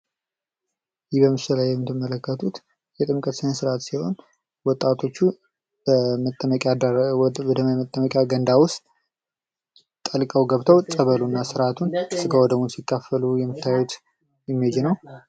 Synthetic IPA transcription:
jɪhbəmːɨsəlajːɛmːɨt̪ʰːɨmːələkːət̪ʰut̪ | jɛt̪ʼɨmkʼət̪sɨnesɨɾat̪siho̞̰n | wɔt̪ʼːat̪ʰo̞t͡ʃːu | əkʼa | d̪əmmət̪ʼːəməkʼjaɡənd̪awʊst̪ | t̪ʼəlkʼəwɡəβt̪ʰəwt͡sʼəβəlunːasɨɾat̪ʰunsɨɡawɔd̪əmunsikʰːafəlujɛmːɨt̪ʰːajwut̪ | jɛmːied͡ʒɛnəw

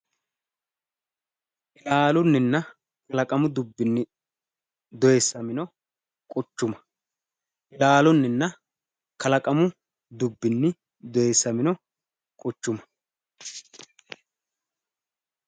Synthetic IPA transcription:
ʔɪlaːlʊnːɪnːɐ | kɐlɐkʼɐmʊd̪ʊbːɪnːɪ | d̪ɔjesːɐmɪnɔ | kʼɔt͡ʃːʊmɐ̥ | ʔɪlaːlʊnːɪnːɐ | kɐlɐkʼɐmʊ | d̪ʊbːɪnːɪ | d̪ɔjesːɐmɪnɔ | kʼɔt͡ʃːʊmɐ̥

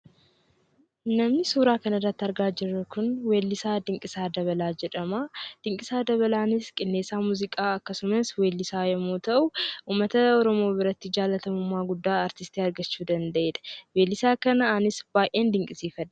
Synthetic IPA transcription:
nɐmnɪsuːɾaːkɐnɐrːɐt̪ːɐɾɡaːd͡ʒɪrːɐkʊnwe̞ːlːɪsaːd̪ɪŋkʼɪsaːd̪ɐβɐlaːd͡ʒɛᶑɐmaːd̪̥ɪŋkʼɪsaːd̪ɐβɐlaːnɪskʼɪnːe̞ːsːaːmuːzɪkʼaːɐkːɐsʊmɐswe̞ːlːɪsaːjɐmoːt̪ɐʔʊʔuːmːɐt̪ɐɔɾɔmo̞ːbɪɾɐt̪ːɪd͡ʒaːlːɐt̪ɐmʊmːaːɡʊd̪ːaːɐɾt̪ɪst̪iːɐɾɡɐt͡ʃːuːd̪ɐnd̪ɐʔeːᶑ̪ɐ̥we̞ːlːɪsaːkɐnɐanɪsb̥aːjʔe̞ːnd̪ɪŋkʼɪsiːfɐd̪ː

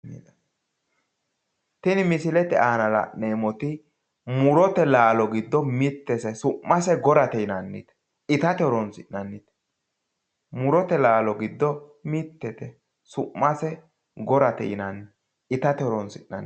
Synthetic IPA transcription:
t̪ɛnɪmɪsɪlɛt̪ɛʔaːnɐlɐ̰neːmɔt̪ɪ | mʊɾɔt̪ɛlaːlɔɡɪd̪ːɔmɪt̪ːɛsɛsʊʔːɐsɛɡɔɾɐt̪ɛɪnɐnːɪ̰t̪ɛ | ɪt̪ɐt̪ɛɾɔnsɪnːɐnːɪt̪ | mʊɾɔt̪ɛlaːlɔɡɪd̪ːɔmɪt̪ːɛt̪ɛ | sʊʔːɐsɛ | ɡɔɾɐt̪ɛ̰ɪnɐnː | ɪt̪ɐt̪ɛɾɔnsɪnːɐ̰n

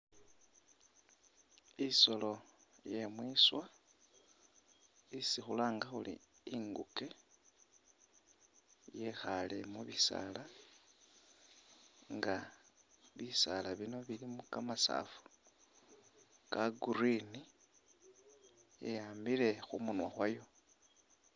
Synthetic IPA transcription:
iso̞lo̞je̞mwiswa | isixulaːŋɡaxulḭiŋɡuke̞ | je̞xale̞muβisa̰la | ŋɡa | βisalaβino̞βilimukamasa̰fu̥ | kaɡuɾini | jḛjaːmbile̞xumunwaxwajo̞

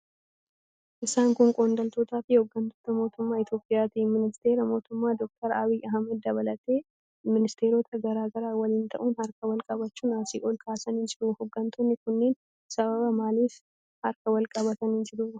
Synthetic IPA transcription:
ʔɪsaːŋkʊŋkʼoːnd̪ɐlt̪oːt̪aːfɪhɔɡːɐnt̪oːt̪ɐmo̞ːt̪ʊmːaːɪt̪jo̞ːpʼːɪjaːt̪iːmɪnɪst̪eːɾɐmo̞ːt̪ʊmːaːd̪ɔk̚t̪ɐɾɐbiːʔɐɦɐmːɐd̪̚d̪ɐβɐlɐt̪e̞ː | mɪnɪst̪e̞ːɾoːt̪ʰɐɡɐɾaːɡɐɾaːwɐlɪːnt̪ʰɐʔuːnhɐɾkɐwɐlkʼɐbɐt͡ʃːuːnaːsiːʔɔlkʰaːsɐnɪnd͡ʒɪɾuhɔɡːɐnt̪ʰonːɪkʊnːeːn | sɐβɐbɐmaːliːs | hɐɾkɐwɐlkʼɐβɐt̪ɐnɪnd͡ʒɪɾuː

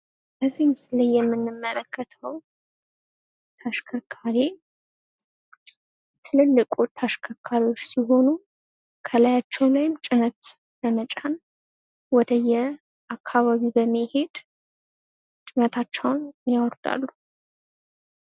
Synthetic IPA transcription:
bəzːihmɨsləjːɛmːɨnːɨmːələkʰːət̪ʰəw | t̪ʰaʃkʰəkʰaɾe | t̪ʰɨlɨlːɨkʼut̪ʰaʃkʰəkʰaɾiwo̞t͡ʃːsiɦo̞nu | kʰəlajat͡ʃːɛwlajɪmt͡ʃʼɪnət̪ | ləmət͡ʃʼan | wɔd̪əjɛ | ʔakʰːaβaβibəmːihe̞d̪ | t͡ʃʼɪnət̪ʰat͡ʃːɛwnjawɔɾd̪a̰lːu

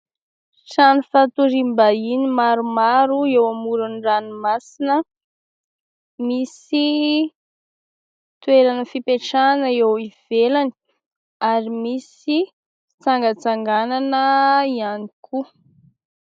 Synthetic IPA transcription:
ʈ͡ʂanifat̪uɾimbainimaɾumaɾuewamuɾunranimasinə | misi | t̪uweɾanəfipeʈ͡ʂanəewiv̥elani̥ | aɾimis | i | t͡saŋɡət͡saŋɡananəianikʰu

